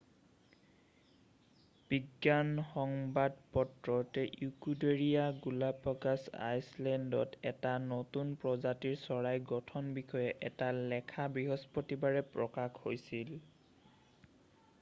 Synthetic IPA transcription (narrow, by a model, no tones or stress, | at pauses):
b̥iɡjanxɔŋbadpɔtɹɔtɛʔukudeɹijaɡulapːɔkasa̰jslɛndɔ̰tɛtanotunpɹɔzatiɹsɔɹajɡɔtʰɔnbixʰɔjɛʔɛtalɛkʰabɹiɦɔspotibaɹɛpɹɔkakʰhojsil